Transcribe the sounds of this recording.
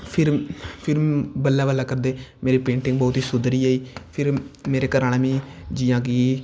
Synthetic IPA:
pʰɪɾpʰɪɾbəlːaːbəlːaːkəɾd̪eːmeːɾiːpẽːɳʈɪ̃ŋɡ̚bɔːt̪iːsʊd̪ɾiːaːiːpʰɪɾmeːɾeːkəɾaːneːmĩːd͡ʒiːjãːɡiː

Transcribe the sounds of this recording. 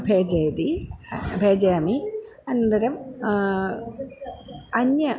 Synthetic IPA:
bʱeːd͡ʑeːd̪ibʱeːd͡ʑɐjami | ɐnːɐnd̪ɐɾɐm | ɐnjɐ

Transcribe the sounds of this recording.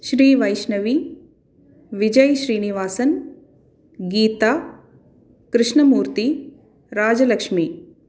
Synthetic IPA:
ʃɾiːʋɐjʃnɐʋiː | ʋɪd͡ʒəjʃɾiːniʋaːsən | ɡiːt̪aː | kɾɪʃɳɐmuːɾt̪i | ɾaːd͡ʒɐlɐkʂmiː

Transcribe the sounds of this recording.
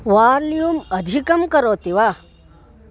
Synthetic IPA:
ʋaːɾlijuːmɐd̪ʱikɐmkɐɾoːt̪iʋa

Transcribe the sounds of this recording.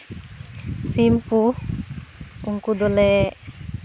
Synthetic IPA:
simpu | uŋkud̪ɔlɛ

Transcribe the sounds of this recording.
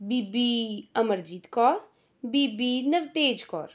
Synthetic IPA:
biːbiɐməɾd͡ʒiːt̪kɔːɾ | biːbinəʋt̪eːd͡ʒkɔ̰ːɾ

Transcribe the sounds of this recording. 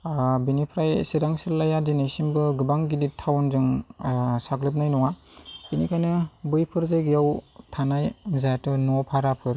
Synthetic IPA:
binipʰɾajsiɾaŋsilːajadinajsinbɯɡɯbaŋɡiditʰawnzɯŋ | saklɯp̬̚najnɔwainikʰajnɯbɯjpʰɯɾzajɡɯjawtʰanajmzajtɯnɔpʰaɾapʰɯɾ

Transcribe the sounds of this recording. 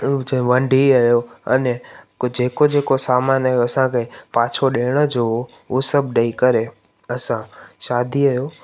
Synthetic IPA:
d͡ʑẽʋə̃ɳɖʱiajoɐ̰ne | d͡ʑeːkod͡ʑeːkosaːmaːnaːɦjoɐsãkʰepãːt͡ʃʰoɗeːɽ̃əd͡ʑo | usəbʱɗəikɐɾe | ɐsãʃaːd̪ʱiɐɦjo

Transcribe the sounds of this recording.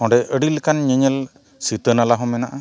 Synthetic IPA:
ɔ̃ɖɛʔəɖilkanɲɛɲɛl | sit̪ənalaɦɔ̃mɛnaʔa

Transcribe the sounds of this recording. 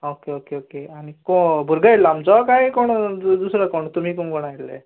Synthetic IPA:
okeokeokeanikɔ̃bʱuɾɡaeɽlamd͡ʒɔkaekɔɽ̃ɔd̪usɾakɔɳ̃ɔt̪umikɔ̃ɡɔɽ̃aɦeɽlḛ

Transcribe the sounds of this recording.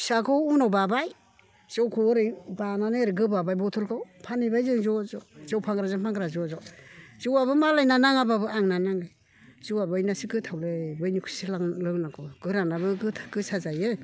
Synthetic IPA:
sakʰɯunawbabaj | zewkʰuɾɯjbananɯɾɯɡɯbabajbɔtʰɔlkʰawpʰanibajzɯŋzɔzɔzewpʰaŋɡɾazɯŋpʰaŋɡɾazɔzɔz̥ɯwaβɯmalajnanaŋababɯaŋnanaŋɯ | z̥ɯwabɯjnasikɯtʰawlebɯjnikʰu̥siaŋlɯŋnakʰɔɡ̥ɯɾanabɯɡɯtʰkɯsazajɯ

